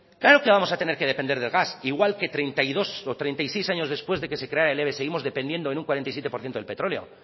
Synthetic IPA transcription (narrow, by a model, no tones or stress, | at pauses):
klaɾo̞ke̞βamo̞sat̪e̞ne̞ɾke̞ð̞e̞pe̞nd̪e̞ɾðe̞lɣasiɣwalke̞t̪ɾe̞jnt̪ajðo̞sot̪ɾe̞jnt̪ajsejsaɲo̞zðe̞spwe̞zðe̞kese̞kɾeaɾaele̞βese̞ɣimo̞zðe̞pend̪je̞nd̪oenũŋkwaɾent̪ajsjet̪epoɾθjet̪oelpe̞t̪ɾo̞leo̞̰